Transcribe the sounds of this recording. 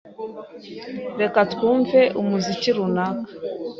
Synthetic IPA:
ɾekatkuːɱveʔumuziciɾunakḁ

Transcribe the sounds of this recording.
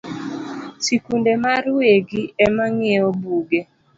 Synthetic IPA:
sikundemaɾweɡiɛmaŋeɔbuɡe

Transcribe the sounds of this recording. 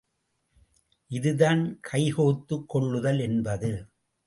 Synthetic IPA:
ʔɪðɯðaːnkʰɐɪhoːt̪ːɯkːɔɭːɯðɐlɛnbɐðɯ

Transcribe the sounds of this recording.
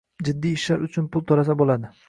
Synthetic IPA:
d͡ʒɪd̪ːiːʃlaɾʊt͡ʃʰʊnpʊlˠt̪ʰoɾasabolad̪ɪ

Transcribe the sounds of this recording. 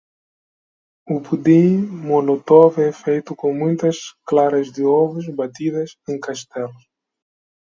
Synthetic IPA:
upud̪ĩmolot̪ɔvɛfejt̪ukõŋmũjt̪ɐsklaɾɐzd̪ɪɔvuzbat̪iðɐzẽŋkaʃt̪ɛlu

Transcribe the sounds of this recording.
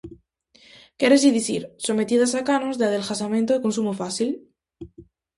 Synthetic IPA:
keɾesiðiθiɾso̞me̞t̪iðasakanozðeaðelxasamẽnt̪oiko̞nsumofaθil

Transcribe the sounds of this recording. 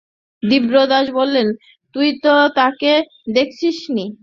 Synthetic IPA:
d̪ibɾod̪ad͡ʑbolːen | t̪ujt̪ot̪ake | d̪ek̚ʰt͡ɕʰiʃni

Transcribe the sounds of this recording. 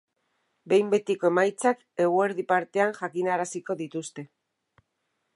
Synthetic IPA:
be̞jmbe̞t̪iko̞e̞majt͡sak | e̞ɣue̞ɾðipaɾt̪e̞aŋʝakinaɾasiko̞ðit̪ust̪e̞

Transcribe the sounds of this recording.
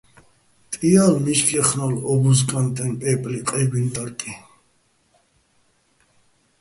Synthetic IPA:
t̪ʼialmiʃkʰɛχnɔlɔbuzkʼant̪ʼɛnpʼɛpʼliqʼɛbint̪ʼaɾkʼi

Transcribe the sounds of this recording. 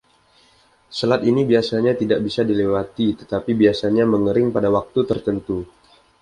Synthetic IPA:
səlat̪inibiasaɲat̪idaʔ̚bisadilewat̪it̪ət̪apibiasaɲaməŋəɾɪŋpadawak̚t̪ut̪ərt̪ənt̪u

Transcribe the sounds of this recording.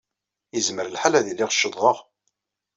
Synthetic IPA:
jəzməɾəlħalæðilːiʁʃːəðˤːəʁ

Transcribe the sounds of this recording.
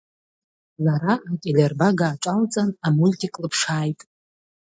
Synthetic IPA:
zaɾaakʲʼelʲerbaɡaːʈ͡ʂʷʼalt͡sʼanamulkʰʲikʼlɨpʰʂaːjtʼ

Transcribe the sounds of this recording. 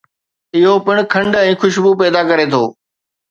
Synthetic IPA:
ɪɦopɪɽ̃̆kʰɐ̃ɳɖɛ̃ːxʊʃbupɛːd̪akɐɾet̪ʰoː

